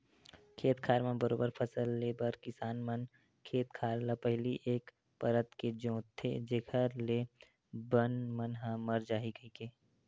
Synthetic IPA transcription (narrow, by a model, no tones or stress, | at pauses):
kʰeːt̪kʰaːɾmãbəɾoːbəɾpʰɐsəlːeːbəɾkɪsaːnmən | kʰeːt̪̚kʰaːɾlapəɦliʔeːk | pɐɾət̪ked͡ʒõːt̪ʰːḛd͡ʒeːkʰəɾle | bənmənɦãməɾd͡ʒaːɦiɡɐikeː